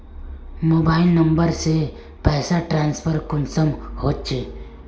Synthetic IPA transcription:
moːbaːɪlnəmbəɾse | pɛːsaʈɾaːnspʰəɾkʊnsəmhoːt͡ʃʰe

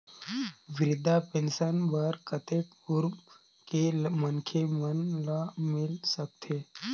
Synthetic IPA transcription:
ʋɪɾɪd̪ʱapẽnsənbəɾkʰət̪ek | uɾ | kemənkʰemənlamɪlsək̚t̪ʰe

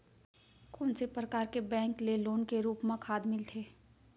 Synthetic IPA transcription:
koːnsepɾəkaːɾkebɛ̃ːŋkleloːnkeɾuːpmãkʰaːd̪mɪlt̪ʰeː

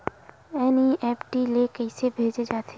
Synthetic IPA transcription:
ɛːniʔɛːpʈilekɛɪsebʱeːd͡ʒed͡ʒaːt̪ʰe

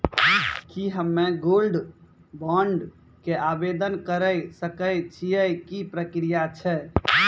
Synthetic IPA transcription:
kiɦəmːeɡolɖ | bɔɳɖ | keabed̪ənkəɾəjsəkəjt͡ʃʰijəkipɾəkɾijat͡ʃʰɛ

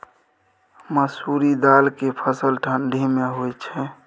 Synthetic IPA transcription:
məsuɾid̪alkepʰəsəlʈʰənɖʱimeɦojt͡ʃʰɛ

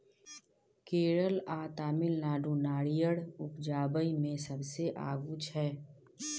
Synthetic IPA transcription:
keːɾəlaːt̪aːmɪlnaːɖunaːɽijəɽʊkd͡ʒaːbəimẽsəbseʔa̰ːɡut͡ʃʰɛː

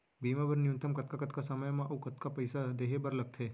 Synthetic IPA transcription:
bimãbəɾnjũnt̪əmkət̪̚kakət̪kasəməjmãʔukət̪kapəjsad̪eɦebəɾləɡ̚t̪ʰeː

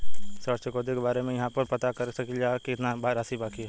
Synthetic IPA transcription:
səɾsəkoːd̪ekebaːɾemẽjɐɦãpɐɾpɐt̪akɐɾsɐkid͡ʒaːkiɪt̪nabaːɾasibaːkiɦɛ

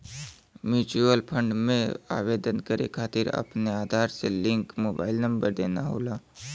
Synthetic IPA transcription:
mjuːt͡ʃuəlpʰə̃ɳɖmẽa̰ːʋeːd̪ənkəɾʔḛkʰaːt̪ɪɾɐ̰pneaːd̪ʱaːɾselɪ̃ŋkmoːbaːɪlnɐ̃mbəɾd̪eːnaɦo̰ːlaː

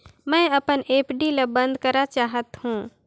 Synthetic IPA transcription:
mɛ̃ːɐpəneːpʰɖilɐbə̃nd̪kəɾat͡ʃaːɦət̪hũː

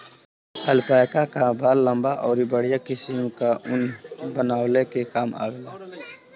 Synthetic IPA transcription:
əlpaːjkakabaːlːə̃mbaʔɔːɾibəɽ̤ijakɪsimkaʔʊnbənaːwlekekaːma̰ːɡəlaː

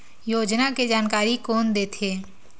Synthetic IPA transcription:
joːd͡ʒnaked͡ʒaːnkaːɾikoːnd̪eːt̪ʰeː

